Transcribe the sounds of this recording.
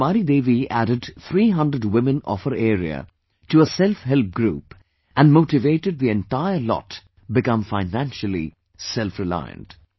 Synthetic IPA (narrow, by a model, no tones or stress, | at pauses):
maɾid̪eːʋiʔæɾɨɖt̪ʰɾiːɦʌ̃ndɾəɖwɪ̃mɨ̃nɔ̰fəɾeːɾiə̰ | ʈuəsɛlfɦɛlp̚ɡɾṵːp | æ̃nmoːʈɪʋeɪʈɨɖ̪̚ðiɛ̃nʈaɪəlɔ̰t | bɪkʌ̃mfaɪnæ̃nʃəl̩ḭ | sɛlfɾɪla̰ɪə̰̃nʈ